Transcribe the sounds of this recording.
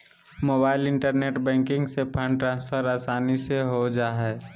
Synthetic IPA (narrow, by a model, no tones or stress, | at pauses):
moːbaːɪlɪ̃ɳʈəɾneːʈbɛ̃ːŋkɪ̃ŋɡsepʰə̃ɳɖʈɾãːnspʰəɾaːsaːniseɦod͡ʒaːɦɛː